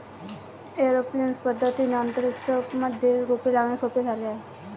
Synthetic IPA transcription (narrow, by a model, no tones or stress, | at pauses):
eɾoplinspəd̪ʱːət̪inənt̪əɾiksəməd̪ʱːjeɾopilaɡɳjasopid͡zʱaleaɦe